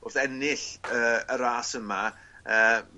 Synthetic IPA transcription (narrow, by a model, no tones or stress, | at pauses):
ʊrθɛnɪɬəːəɾaːsəma | əː